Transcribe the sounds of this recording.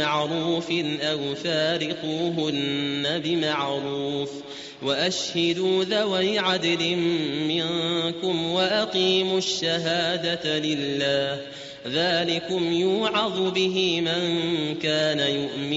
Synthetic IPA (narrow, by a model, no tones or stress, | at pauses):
aʕɾuːfɪnʔawfaːɾɪquɦʊnːabɪmaʕɾuːf | waʔaʃhad̪uːðawajʕad̪lɪmːɪŋkʊmwaʔaqiːmʊʃːaɦaːd̪alɪlːaːh | ðaːlɪkʊmjuːʕɑðˤʊbɪɦɪmaŋkaːnajʊʔmɪ